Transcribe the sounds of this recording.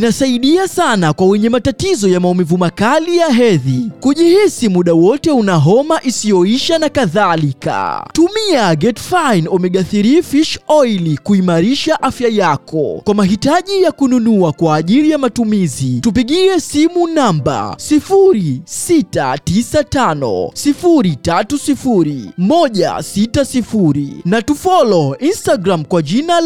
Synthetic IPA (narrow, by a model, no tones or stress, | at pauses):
inasaiɗiasanakwawɛɲɛmatatizɔjamaɔmivumakalijaɦɛðikuʄihisimuɗawɔtɛunaɦɔmaʔisijɔiʃanakaðalika̰tumiaɡɛtfajnɔmɛɠaθiɾifiʃɔilikuimaɾiʃaʔafjajakʰɔ̰kwamaɦitaʄijakununuakwaːʄiɾijamatumizitupiɠiɛsimunamba̰sifuɾisita̰tisatanɔ̰sifuɾitatusifuɾḭmɔʄa̰sitasifuɾḭnatufɔlɔinstaɡɾamkwaʄina